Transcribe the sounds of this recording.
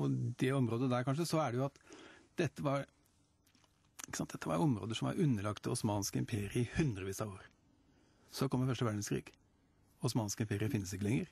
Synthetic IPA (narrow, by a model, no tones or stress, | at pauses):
ɔd̪ɛɔmɾoːd̪əd̪æɾkʰɑnʂ̬əsɔæɖɛjʊɑt̪d̪̥ɛt̪ːəʋɑɾ | ɪkːəsɑnt̪d̪ɛt̪ːəʋɑɾɔmɾo̰ːd̪əʂɔmɑ̰ɾʉnːəɭɑkt̪ʊsmɑːnskəɪmpʰeːɾɪəɪhʉnd̪ɾəʋiːsɑʋoːɾ | sɔkʰɔmːəfœʂʈəʋæɖɳəskʰɾḭːɡ̥ | ʊsmɑːnskəɪmpeːɾɪəfɪnːəsɪkːəlɛŋːəɾ